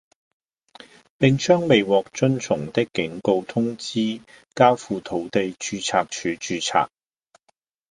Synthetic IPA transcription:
pɪ˨ŋt͡ʃœː˥ŋme˨jwɔː˨k̚t͡ʃɵ˥nt͡sʰʊ˨˩ŋt̪ɪ˥kːɪ˨˥ŋko˧wt̪ʰʊ˥ŋt͡siː˥ | kaː˥wfuː˨t̪ʰo˨˥wt̪e˨jt͡ʃyː˨˧t͡sʰaː˨˧k̚t͡ʃʰyː˨˧˥t͡ʃyː˨˧t͡sʰa̰ː˨k̚

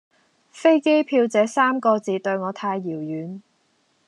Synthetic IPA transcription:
fe˥jke˥jpʰiː˧wt͡sɛː˨˥saː˥mkɔː˧t͡siː˨˧t̪ɵ˧ɥŋɔː˨˧t̪ʰaː˧jːiː˨˩wjyː˨˥n

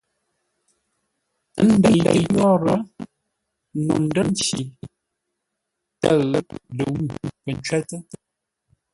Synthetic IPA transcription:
n̩˦də˨lə̰˨jɔ˦ɾə˨˦ | nṵ˨n̩˦də˦n˦t͡ʃi˨ | tə˦˨ɣə˦plə˨wu˦˨pə˨n˦t͡ʃwɛ˦tə˦

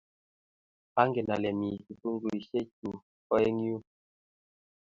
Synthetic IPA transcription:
a˦ŋɡɛ˨na˨lɛ˨mi˨tu˨tu˦ŋ˦ɡu˨i˨ʃe˦t͡ʃu˨ | kɔ˦e˦ŋ˦u˦

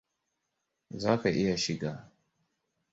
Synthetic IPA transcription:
za˦fɛ˨ʔi˦ja˨ʃi˨ɡa˨

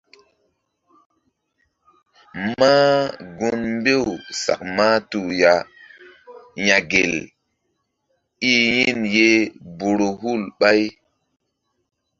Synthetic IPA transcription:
maː˦ɡu˦nmbe˦˨wsa̰˨k̚maː˦tu˨ja˨ | ja˨ɡe˨l | i˦ji˦˨nje˦bo˨ɾo˨ɦu˦˨lɓa˦j

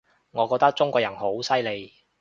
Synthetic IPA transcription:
ŋɔː˨˧kɔː˧k̚t̪ɐ˥k̚t͡ʃʊ˥ŋkʷɔː˧kjɐ˨˩nho˨˥wsɐ˥jle˨˧j

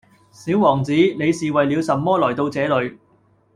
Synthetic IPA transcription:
siː˨˥wwɔː˨˩ŋt͡siː˨˥ne˨˧jsiː˨wɐ˨jli˨˧wsɐ˨mːɔː˥lɔː˨˩jt̪o˧wt͡sɛː˨˧˥lɵ˨˧ɥ

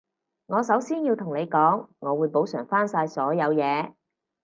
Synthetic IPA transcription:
ŋɔː˨˧sɐ˨˥wsiː˥njiː˧wt̪ʰʊ˨˩ŋne˨˧jkɔː˨˥ŋːɔː˨˧wuː˨˧jpo˨˥wsœː˨˩ŋfaː˥nsaː˧jsɔː˨˥jɐ˨˧wjɛː˨˧

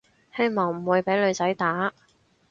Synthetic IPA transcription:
he˥jmɔː˨ŋm̩˨˩wuː˨˧jpe˨˥jlɵ˨˧ɥt͡sɐ˨˥jt̪aː˨˥

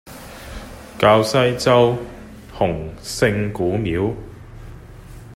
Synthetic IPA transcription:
kaː˧wsɐ˥jt͡sɐ˥w | hʊ˨˩ŋsɪ˧ŋkuː˨˥miː˨˥w

